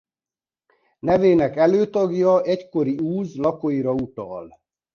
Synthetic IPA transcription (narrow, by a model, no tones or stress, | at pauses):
nɛveːnɛkɛløːt̪ɒɡjɒɛcko̞ɾiuːzlɒkoiɾɒut̪ɒ̰l